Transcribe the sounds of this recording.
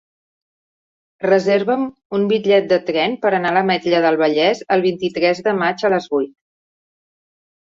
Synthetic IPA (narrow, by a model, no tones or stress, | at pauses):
rəzeɾβəm | umbiʎɛt̪̚d̪ət̪ɾɛnpəɾənaləmɛt̪ʎəðəlˠβ̞əʎɛzəlˠβ̞int̪it̪ɾɛzðəmad͡ʒələzβujt̪̚